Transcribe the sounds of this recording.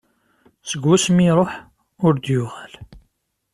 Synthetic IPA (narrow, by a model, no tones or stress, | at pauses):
səɡːæsmiɾˤoħ | ʊɾd̪jʊʁæl